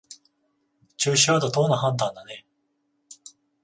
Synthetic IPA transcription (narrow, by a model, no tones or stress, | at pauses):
t͡ɕɨːɕiβad̪od̪onːaɦãnt̪ãnd̪ane̞